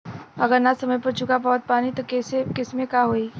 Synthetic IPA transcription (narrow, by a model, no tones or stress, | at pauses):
ɐɡəɾnasɐməjpɐɾt͡ʃʊkabɔːt̪̚paːnit̪okesekɪsmẽkaɦoːiː